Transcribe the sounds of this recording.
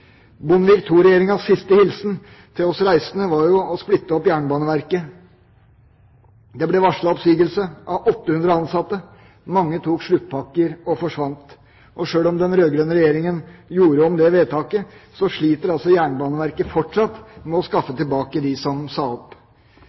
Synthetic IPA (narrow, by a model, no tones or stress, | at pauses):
bʊnʋɪkt̪ʰuːɾɛjeːɾɪŋɑʋsɪst̪əhɪlsn | t̪ʰɪlɔsɾæɪsənəʋɑɾjʊɔsplɪt̪ːəɔpjæːɳbɑːnəʋæɾkə | d̪ɛblɛʋɑʂɭɑɔpsyːɡəlsəʔɑʋʔɔt̪ːəhʉnd̪ɾəɑnsɑt̪ːə | mɑŋːət̪ʰuːkʂɭʉt̪ːpʰɑkːəɾɔfɔʂʋɑnt̪ | ʔɔʂøːlɔmd̪ɛnɾøːɡɾœnəɾɛjeːɾɪŋənjuːɾəɔmd̪ɛʋeːt̪ʰɑːkəsɔʂɭiːt̪əɾɑlsɔjæːɳbɑːnəʋæɾkəfɔʈʂɑt̪mɛɔskɑfːət̪ɪlbɑːkəd̪ɪsɔmsɑɔpː